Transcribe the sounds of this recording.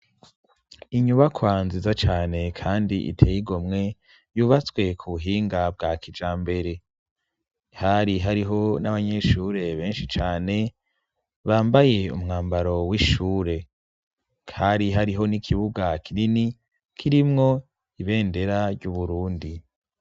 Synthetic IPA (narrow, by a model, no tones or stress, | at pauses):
iɲuβakwanzizat͡ʃaːne̞kʰaːndiʔḭtʰejiɡo̞mŋe̞ | juːβat͡swe̞kʰuβuɦiːŋɡabɡakid͡ʒaːmbe̞ɾe̞ | haɾiɦaɾiɦo̞naβaɲe̞ʃuɾe̞βe̞ːnʃit͡ʃaːne̞ | βaːmbaje̞ṵmŋaːmbaɾo̞wiʃuːɾe̞ | kʰaɾiɦaɾiɦo̞nikʰiβuɡakʰiɾini | kʰiɾimŋo̞ | iβe̞ːnde̞ɾaɾɟuβuɾuːndi